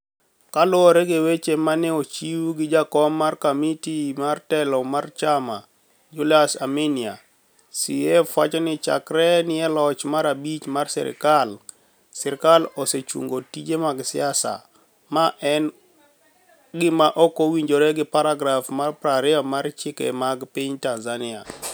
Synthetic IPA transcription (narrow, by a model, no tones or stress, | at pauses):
kalʊɔɾɛɡewet͡ʃemanɛot͡ʃiwuɡɪd͡ʒakɔmːarkomitimartɛlɔmart͡ʃama̰ | d͡ʒulasamenia̰ | siefwat͡ʃɔnɪt͡ʃa̰kɾɛnɪjɛlɔt͡ʃmaɾabit͡ʃmarsɛ̰ɾɪ̰kal | sɛɾkalɔset͡ʃṵŋɡotid͡ʒemaɡsɪ̰asa̰ | maʔɛn | ɡɪmaʔɔkowiɲd͡ʒoɾɛɡɪpaɾaɡɾafmarpɾaɾɪɔmaɾt͡ʃɪkɛ̰maɡpiɲtanzanɪa̰